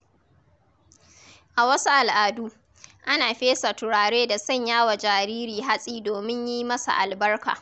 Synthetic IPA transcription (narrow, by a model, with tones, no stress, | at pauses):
ʔa˨wɐ˦su˦ʔa˨lʔaː˨duː˦ | ʔa˦naː˨ɸeː˦sa˨tʊ˨ɽaː˨ɽeː˦da˨sɐ˦˨ɲjaː˦wa˨d͡ʒaː˨ɾiː˦ɾiː˨ɦa˦sʼiː˦doː˨mɪ˦ɲjiː˦mɐ˦sa̰˨ʔa˨lbɐ˦rka̰ː˨